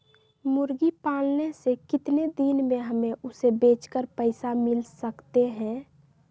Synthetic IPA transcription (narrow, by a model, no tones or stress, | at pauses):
mʊɾɡipaːlnesekɪt̪ned̪inmẽɦəmeʔʊsebeːt͡ʃkəɾpəɪsamɪlsəkt̪eɦɛ̃